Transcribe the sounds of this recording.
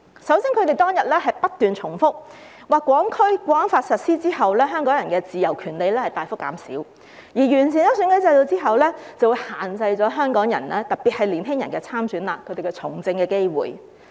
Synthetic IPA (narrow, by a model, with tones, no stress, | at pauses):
sɐ˨˥wsiː˥ŋkʰɵ˨˧t̪e˨jt̪ɔː˥ŋjɐ˨t̚lɛː˥ɦɐ˨jpɐ˥t̚t̪yː˨nt͡ʃʰʊ˨˩ŋfʊ˥k̚ | waː˨kʷːwɔː˨˥ŋkʰɵ˥ɥkʷɔː˨˥ŋfaː˧t̚sɐ˨t̚siː˥t͡siː˥ɦɐ˨wlɛː˥ɦœː˥ŋkɔː˨˥ŋjɐ˨˩nkɛː˧t͡siː˨jɐ˨˩wkʰyː˨˩nle˨˧jlɛː˥hɐ˨jt̪aː˨jfʊ˥kːa̰ː˨˥msḭː˨˥w | jiː˨˩jyː˨˩nt͡sʰiː˨˩njɐ˥sy˨˥nkɐ˨˥t͡sɐ˧jt̪o˧wt͡siː˥ɦɐ˨wlɛː˥t͡sɐ˨˩wu˨˧jhaː˨˩nt͡sɐ˧jt͡sɔː˨˥ɦœː˥ŋkɔː˨˥ŋjɐ̰˨˩nlɛː˥t̪ɐ˨˩k̚pi˨t̚hɐ˨jliː˨˩nɦɪ˥ŋjɐ˨nkɛː˧t͡sʰaː˥msyː˨˥nlaː˨kʰɵ˨˧t̪e˨jkɛ˧t͡sʰʊ̰˨˩ŋt͡sɪ˧ŋkɛː˧ke˥jwṵː˨˩j